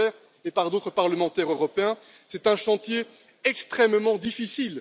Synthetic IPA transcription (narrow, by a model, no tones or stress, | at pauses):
ɛːʁ | epaʁd̪ot̪χəpaʁləmɑ̃t̪ɛʁøʁɔpeɛ̃ | sɛt̪ɛ̃ʃɑ̃t̪je | ɛkst̪χɛmmɑ̃d̪ifisil